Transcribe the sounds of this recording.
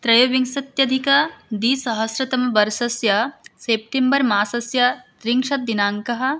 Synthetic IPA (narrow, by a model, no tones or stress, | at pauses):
t̪ɾɐjoːʋiŋsɐt̪jɐd̪ʱikɐd̪iːsɐɦɐsɾɐt̪ɐmɐbɐɾsɐsjɐseːp̚ʈembɐɾmaːsɐsjɐt̪ɾiŋkʂɐt̪̚ːinaːŋkɐɦɐ̆